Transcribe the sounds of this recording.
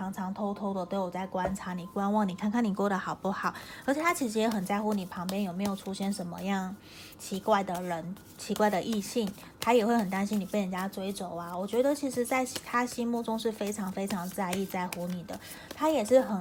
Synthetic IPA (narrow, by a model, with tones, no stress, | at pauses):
ɑ˧˥ŋʈ͡ʂʰɑ˧˥ŋt̪ʰo˥ʊt̪ʰo˥ʊd̪ə˨t̪we˥˩ɪwɔ˨˩t͡sa˥˩ɪkwa˥nʈ͡ʂʰa˧˥ni˨˩kwa˥nwɑ˥˩ŋni˨˩kʰa˥˧nkʰa˥˩ni˨˩kwɔ˥˩d̪ə˩xɑ˨˩ʊpu˥˩xɑ˨˩˦ə˧˥t͡ɕʰjt̪ʰa˥t͡ɕʰi˧˥ʂɻ̩˧˥jɛ˧˥xə˨˩nt͡sa˥˩ɪxu˧˥ni˨˩pʰɑ˧˥ŋpjɛ˥njo˨˩me˧˥ɪjo˨˩ʊʈ͡ʂʰu˥ɕjɛ˥˩nʂə˧˥nmə̰˧jɑ˥˩ŋ | t͡ɕʰi˧˥kwa˥˩ɪd̪ə˩ɻə˧˥n | t͡ɕʰi˧˥kwa˥˩ɪd̪ə˩ʔi˥˧ɕi˥˩ŋ | t̪ʰa˥jɛ˨˩xwe˥˩ɪxə˨˩nt̪a˥nɕi˥ni˨˩pje˥˩ɪɻə˨˩nt͡ɕja˥ʈ͡ʂwe˥ɪʈ͡ʂo˨˩ʊa˦wɔ˨˩t͡ɕɥɛ˧˥d̪ə˨t͡ɕʰi˧˥ʂɻ̩˧˥t͡sa˥˩ɪ˩t̪ʰa˥ɕi˥mu˥˩ʈ͡ʂʊ˥ŋʂ̬ɻ̩˥˩fe˥ɪʈ͡ʂʰɑ˧˥ŋfe˥ɪʈ͡ʂʰɑ˧˥ŋt͡sa˥˧ɪi˥˧t͡sa˥˩ɪxu˧˥ni˨˩d̪ə̰˦ | t̪ʰa˥jɛ˨˩ʂɻ̩˥˩xə˨˩